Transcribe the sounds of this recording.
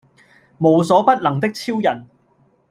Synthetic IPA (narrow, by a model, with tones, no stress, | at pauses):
mo˨˧wsɔː˨˥pɐ˥t̚lɐ˨˩ŋt̪̬ɪ˥k̚t͡sʰiː˥wjɐ˨˩n